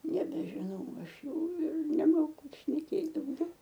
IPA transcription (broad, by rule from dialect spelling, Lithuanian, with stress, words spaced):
nʲɛbʲɛˈʒʲɪnɐʊ ˈɐʃ ˈjɛʊ ɪr nʲɛˈmoːkʊ ʃʲnʲɛˈkʲeːt dɐʊˈɡʲɛʊ